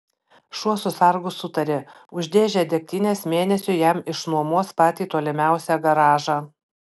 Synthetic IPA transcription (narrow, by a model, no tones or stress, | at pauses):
ʃuɔsʊsɐɾɡʊsʊt̪ɐɾʲɪ | ʊʒʲd̪ʲeːʒʲɛd̪ʲɛk̚ʲt̪ʲiːnʲesmʲeːnʲɛsʲʊjɛmɪʃnuɔmuɔspɑːt̪ʲiːt̪oːlʲɪmʲæˑʊsʲɛɡɐɾɑːʒɑ